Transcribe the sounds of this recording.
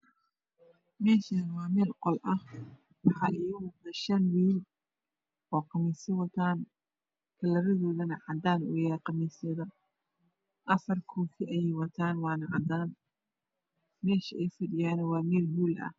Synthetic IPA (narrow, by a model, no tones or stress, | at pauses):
mɛːʃɐnwɑːmɛːlqɔlʔɐh | wɑħɑʔɪjʊwʊd̪ɐʃɐnwiːl | ʔɔːqɑmɛsɪwɐt̪ʰaːn | kʰɐlɐɾɐðɔːðɐnɐʕɑd̪aːnʊ̰jaɾqɑmɛsɛðɐ | ʔɐfɐrkʰɔːkʰɪʔɐjɛjwɐt̪ʰaːnwɑːnɐʕɑd̪aːn | mɛːʃɐʔɛjfɐɖɪjaːnɐwɑːmɛːlhuːlɐ̰h